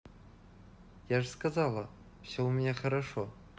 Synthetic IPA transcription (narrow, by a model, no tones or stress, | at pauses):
jaʐskazalˠa | pɕawmieχaɾaʂo